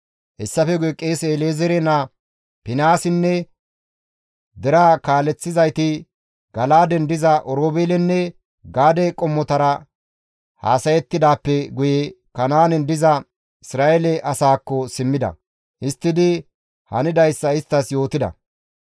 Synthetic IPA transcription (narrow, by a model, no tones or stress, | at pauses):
hɛsːɐfɛɡʊjɛkʼeːseleːzɛɾɛna | pɪnaːsɪnːɛ | d̪ɛɾaːkaːlɛt͡sːɪzɐjt̪ɪ | ɡɐlaːd̪ɛnd̪ɪzɐʔɔɾoːbeːlɛnːɛ | ɡaːd̪ɛkʼɔmːɔt̪ɐɾɐ | ha̰ːsɐjɛt̪ːɪd̪aːpːɛɡʊjɛ | kɐnaːnɛnd̪ɪzɐ | ɪsɾaːʔɛlɛʔɐsaːkːɔsɪmːɪd̪ɐ̰ | ɪst̪ːɪd̪ɪ | hɐnɪd̪ɐjsːɐɪst̪ːɐsjo̞ːt̪ɪd̪ɐ̰